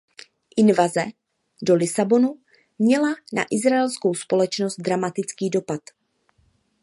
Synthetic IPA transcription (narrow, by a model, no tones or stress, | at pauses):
ʔɪnvazɛ | do̞lɪsabo̞nu | mɲɛlana̰ʔɪzɾaɛlsko̞wspo̞lɛt͡ʃnost̪̚d̪ɾamat̪ɪt͡skiːdo̞pat̪